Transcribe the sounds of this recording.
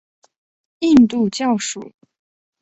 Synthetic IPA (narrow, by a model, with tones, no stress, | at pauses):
i˥˧nt̪u˥˧t͡ɕjɑ˥˩ʊʂu˨˩˦